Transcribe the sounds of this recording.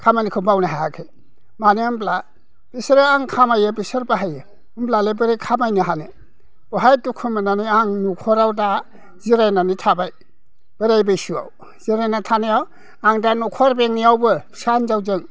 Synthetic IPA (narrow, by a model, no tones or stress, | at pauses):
kʰamanikʰɯbawnaɦajakʰe | maniambla | b̥isɾɯaŋkʰamajɯbisɯɾbaɦajɯ | mblalebɯɾekʰamajniɦane | b̥ɔɦajtukʰumɯnaniaŋnukʰɔɾawda | ziɾajnanitʰabaj | b̥ɯɾajbɯjsua̰w | z̥iɾajnatʰanijaw | aŋdanukʰɔɾbeŋniawbɯsanzawzɯŋ